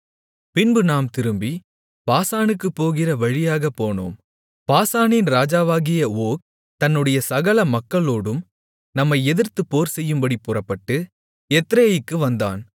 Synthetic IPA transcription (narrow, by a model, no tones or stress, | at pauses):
pɪnbɯnaːmt̪ɪɾɯmbi | paːsaːnɯkːɯpːoːɣɪrɐʋɐɻɪjaːɣɐpːoːno̰ːm | paːsaːnɪnɾaːd͡ʒaːʋaːɣɪjɐoːk̚ | t̪ɐnːɯɽɐjɐsɐɣɐlɐmɐkːɐɭoːɽɯm | nɐmːɐɪɛðɪɾt̪ɯpoːɾsɛjːɯmbɐɽipːʊrɐpːɐʈːɯ | ɛt̪ːɾɐjɪkːɯʋɐnd̪a̰ːn